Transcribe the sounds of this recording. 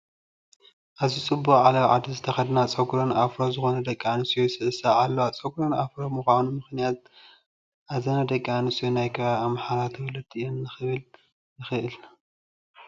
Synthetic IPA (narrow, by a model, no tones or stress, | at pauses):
ʔaβzit͡sʼɨbːuχʕalɐβʕa̰d̪izɨt̪ʰɐxɐd̪nat͡sʼɐɡɾonafɾozɨxo̞nɐd̪ɐkʼːanɨsijosɨʔɨsaʕalːoat͡sʼɐɡɾonafɾomuxʷanumɨxnijat̪̚ | ʔazɐnad̪ɐkʼːanɨsijonajkʰɐβaβamħaɾat̪ʰɨwɐlɐt̪ʼɨjonnɨxɨβɨl | nɨxɨʔɨl